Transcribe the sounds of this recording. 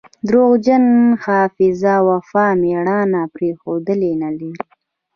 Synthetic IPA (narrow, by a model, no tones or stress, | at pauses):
d̪ɾoɣd͡ʒanhɑːfɪzawafɑːmeɽɑnapɾexod̪əlenaliɾi